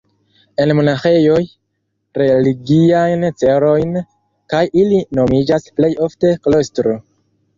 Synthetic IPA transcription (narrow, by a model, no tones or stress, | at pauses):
e̞nmonaxe̞jo̞j | ɾe̞liɡiajnt͡se̞ɾo̞jn | kajilino̞mid͡ʒasple̞jo̞fte̞klo̞stɾo